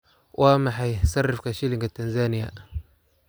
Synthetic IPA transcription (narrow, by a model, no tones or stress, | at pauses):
wʔamaħajsarːifkaʃiliŋɡatanzanija̰